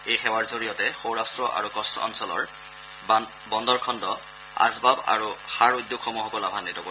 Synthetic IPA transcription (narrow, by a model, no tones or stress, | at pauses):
ejxɛwaɹzoɹijɔtɛxowɹastɹɔʔa̰ɹukɔstɔɔ̰nsɔlɔ̰ɹ | bɔndɔɹkʰɔndɔ | a̰zbaba̰ɹuxaɹujdːukʰɔmuxɔkɔlabʱanːitɔko